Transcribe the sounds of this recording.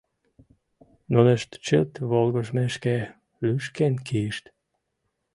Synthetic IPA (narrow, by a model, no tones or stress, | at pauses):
nonəʃt̪t͡ʃət̪βolɡoʃmeʃke | lyʃkenkʰiʃt̪